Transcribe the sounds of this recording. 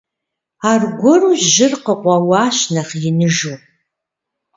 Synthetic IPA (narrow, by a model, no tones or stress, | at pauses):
aːrɡʷɔruʒʒɪrqəqʷɑwɑːɕnɐχjɪnɨʒu